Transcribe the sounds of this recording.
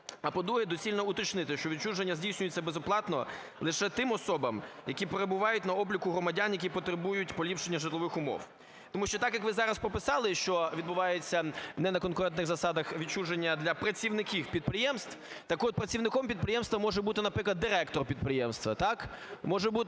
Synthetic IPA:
ɐpɔd̪ɾuɦɛd̪ɔsʲilʲnɔʊt̪ɔt͡ʃnɪt̪ɪʃt͡ʃɔʋʲit͡ʃuʒenʲːɐzʲdʲijsʲnʲʊjet͡sʲːɐbezɔplˠɑt̪nɔ̰ | lˠɪʃɛt̪ɪmɔsɔbɐmjɐkʲipeɾebʊʋɑjʊtʲnɐɔblʲikʊɦɾɔmɐdʲanjɐkʲipɔt̪ɾebujʊtʲpɔlʲipʂenʲːɐʒɪt̪lˠɔʋɪxʊmɔ̰w | t̪ɔmuʃt͡ʃɔt̪ɑkjɐkʋɪzɑɾɐspɔpɪsɑlˠɪʃt͡ʃɔʋʲid̪bʊʋɑjet͡sʲːɐnɛnɐkɔnkʊɾɛnt̪nɪxzɐsɑd̪ɐxʋʲit͡ʃuʒenʲːɐd̪lʲɐpɾɐt͡sʲiwnɪkʲiwpʲid̪̚pɾɪjɛmst̪w | t̪ɐkɔt̪̚pɾɐt͡sʲiwnɪkɔmpʲid̪̚pɾɪjɛmst̪ʋɐmɔʒɛbut̪ɪnɐpɾɪklˠɐd̪ːɪɾɛkt̪ɔrpʲid̪pɾɪjɛmst̪ʋɐ̰t̪ɑk | mɔʒɛbut̪

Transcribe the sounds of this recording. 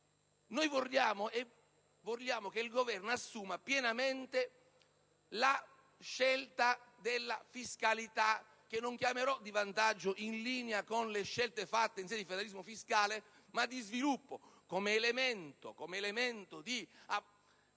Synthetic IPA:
nojvorːjaːmoʔe | volːjaːmokeilɡovɛrnasːuːmapjɛnament̪e | la | ʃːelt̪ad̪elːafiskalit̪a | k̟ːenːoŋkjameɾɔd̪ivant̪ad͡ʒːoʔinliːneakonleʃːɛlt̪efat̪ːeinsiɛd̪ifed̪alizmofiskaːle | mad̪ːizvilupːokɔmeːlement̪o̰komeːlement̪od̪ia

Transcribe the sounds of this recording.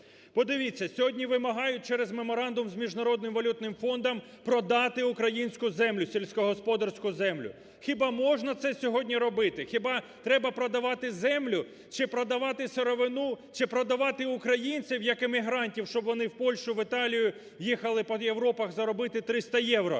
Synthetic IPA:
pɔd̪ɪʋʲit͡sʲːɐsʲɔɦɔdʲnʲiʋɪmɐɦɑjʊt̚ʲt͡ʃɛɾɛzmemɔɾɑnd̪ʊmzmʲiʒnɐɾɔd̪nɪmʋɐlʲut̪nɪmfɔnd̪ɐm | pɾɔd̪ɑt̪ɪʊkɾɐjinʲsʲkʊzɛmlʲʊsʲelʲsʲkɔɦɔspɔd̪ɐrsʲkʊzɛmlʲʊ̰ | xʲɪbɑmɔʒnɐt̪sɛsʲɔɦɔdʲnʲiɾɔbɪt̪ɪxʲɪbɑt̪ɾɛbɐpɾɔd̪ɐʋɑt̪ɪzɛmlʲʊ | t͡ʃɪpɾɔd̪ɐʋɑt̪ɪseɾɔʋɪnut͡ʃɪpɾɔd̪ɐʋɑt̪ɪʊkɾɐjinʲt͡sʲiwjɐkɪmiɦɾɑnʲtʲiwʃt͡ʃɔbʋɔnɪwpɔlʲʃʊʋɪt̪ɑlʲijʊ | jixɐlˠɪpɔjewɾɔpɐɣzɐɾɔbɪt̪ɪt̪ɾɪst̪ɐjɛwɾɔ̰

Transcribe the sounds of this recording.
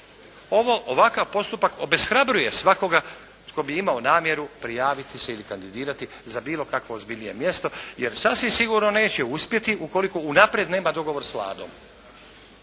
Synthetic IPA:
o̞ʋo̞ʔoʋakaʋpo̞st̪upako̞be̞sxɾabɾuje̞sʋako̞ɡa | ko̞biimaonaːmje̞ɾupɾijaːʋit̪iseilikand̪id̪iːɾat̪izabiːlˠo̞kakʋo̞ːzbiʎnije̞mje̞st̪o̞je̞ɾsasʋimsiɡuɾno̞ne̞ːt͡ɕeuspje̞t̪iʔuko̞liko̞unapɾjed̪ne̞ːmad̪o̞ɡo̞ʋo̞ɾsʋlˠa̰ːd̪o̞̰m

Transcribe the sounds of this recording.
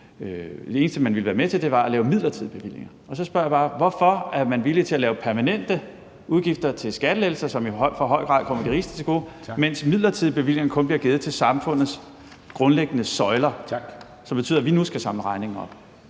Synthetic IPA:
d̥e̝eːnsd̥əmænʋiləʋæːɐmet͡sʰe̝ld̥e̝ʋɑ̈ælɛːʊmiðˠlɐt͡sʰið̞̰ˠb̥e̝ʋil̰je̝ŋɐ | ɒ̽sɒ̽sb̥ɶɐ̰jɑb̥ɑ̈ːʋɒfɒ̽æɐmænʋilit͡sʰe̝ælɛːʊpʰæɐmænen̰d̥ə | uðˠɡ̥ifd̥ɐt͡sʰe̝lsɡ̥æɾ̥əlel̩sɐsɒ̽miɒɪfɒɦɒ̽ɪ̰ɡ̥ʁɑ̰̈ð̰ˠkʰɒ̽m̰ɐd̥iʁiːsd̥ə̥t͡sʰe̝ɡ̥o̝̰ | men̰smið̰ˠlɐt͡sʰið̞̰ˠb̥e̝ʋil̰je̝ŋɐkʰɔ̽nb̥liɐɡ̥e̝ːð̩ˠt͡sʰe̝lsɑ̈mfɔ̽n̰ð̩ˠs | ɡ̥ʁɔ̽nleɡ̥ənəsɒ̽ɪlɐ | sɒ̽mb̥e̝t͡sʰy̰ðˠɐʋinusɡ̥æsɑ̈mləʁɑ̈ɪne̝ŋn̩ɒ̽b̥

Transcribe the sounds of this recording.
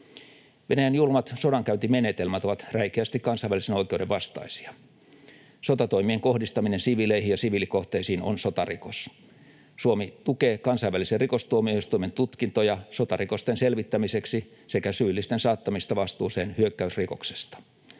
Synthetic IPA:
ʋenæjænjulmɑt̪so̞dɑŋkæynt̪imenet̪elmæt̪o̞ʋɑt̪ræikeæst̪ikkɑnsɑjʋːælisenoik̟euwdeʋʋɑst̪ɑ̰isi̥ɑ | sot̪ɑt̪o̞imieŋko̞hdist̪ɑminensiʋileihijɑsiʋilikoht̪eisiːno̰nsot̪ɑrikos | suomit̪ukeːkɑnsɑiʋæliserriko̞st̪uomiohist̪uime̞nt̪ut̪kint̪ojɑso̞t̪ɑriko̞st̪enselʋit̪ːæmise̞ksi | sekæsyːlːist̪ensɑːt̪ːɑmist̪ɑʋɑst̪uːseːnhyøkːæysriko̞kse̥st̪ɑ̥

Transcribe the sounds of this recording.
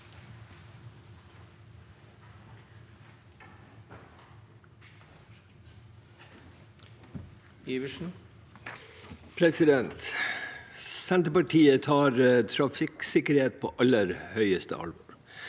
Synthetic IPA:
iʋəʃn̩ | pʰɾɛsɪd̪ɛnt̪ | sænt̪əpɑʈʰiːət̪ʰɑːɾt̪ʰɾɑfɪksɪkəɾheːt̪̚pʰo̰ːʔɑləɾhœʏəst̪ə̰ɑ̰l

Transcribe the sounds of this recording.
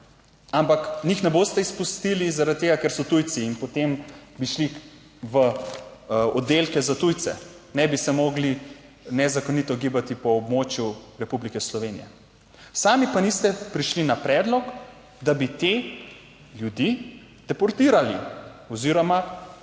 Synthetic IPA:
ampaknixnɛboːst̪ɛispust̪ilizaɾad̪̚t̪ːeɡakeɾsɔt̪ujt̪siːnpɔt̪embiʃli | ʋə | ɔd̪ːelkɛzat̪ujt̪sɛ̰ | nɛbisɛmoɡli | nɛzakonit̪ɔɡibat̪ipɔːbmoːt͡ʃjuɾɛpublikɛslɔʋenḭjɛ̰ | saːmipanist̪ɛpɾiʃlinapɾɛd̪lɔk | d̪abit̪e | ljud̪i | d̪̥ɛpɔɾt̪iːɾaliɔziːɾɔma

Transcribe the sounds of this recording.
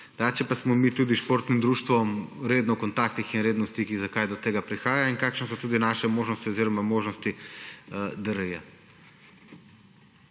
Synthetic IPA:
d̪at͡ʃɛpasmɔmit̪ud̪iʃpoːɾt̪nimd̪ɾuːʃt̪ʋɔmɾeːd̪nɔkɔnt̪aːk̚t̪ixinɾeːd̪nɔst̪ikiɣzakajd̪ɔt̪eːɡapɾixaːjainkaːkʃnɛs̬ɔt̪uːd̪inaʃɛmoːʒnɔst̪iɔziːɾɔmamoːʒnɔst̪i | d̪əɾɛja̰

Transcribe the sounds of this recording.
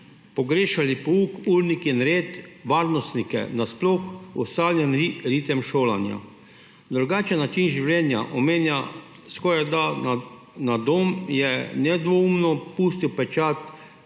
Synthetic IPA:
pɔɡɾeːʃalipɔuːkuɾnikinɾeːt̪ʋaːɾnɔst̪nikɛ̰nasplɔxɔst̪aːljɛniɾiːt̪ɛmʃoːlanja̰ | d̪ɾuɡaːt͡ʃɛnːat͡ʃinʒiwlɛːnja̰ʔɔmeːnja | skɔɾad̪a | nad̪omjɛnɛd̪ʋɔumnɔpuːst̪iwpɛt͡ʃat̪

